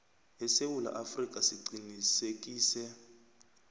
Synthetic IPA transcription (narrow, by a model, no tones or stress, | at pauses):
ɦɛsewula̰ʔafrikʼasiǀinisekʼiːsɛ